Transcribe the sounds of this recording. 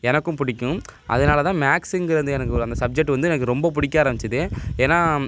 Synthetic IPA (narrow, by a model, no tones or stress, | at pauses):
ɛnɐkːɯ̃mpʊɽɪkʲːʊ̃ʔɐ̰ðɐnaːlɐt̪ãːmaːksɪŋɡɪɾɐnd̪ɯɛnɐkːɯɔɾɯɐnd̪ɐsɐb̚d͡ʒɛk̚ʈːɯʋɐnd̪ɯɛnɐkːɯɾɔmbɐp̬ʊɽɪkʲːaːɾɐmbɪt͡ʃːɐðɯeːnːaː